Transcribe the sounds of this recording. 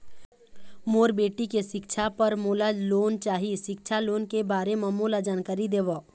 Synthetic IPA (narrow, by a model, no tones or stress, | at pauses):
moːɾbeːʈikeʃɪkt͡ʃʰapəɾmoːlaloːnt͡ʃaːɦiʃɪk̚t͡ʃʰaloːnkebaːɾeməmːoːlad͡ʒaːnkaːɾid̪eːʋo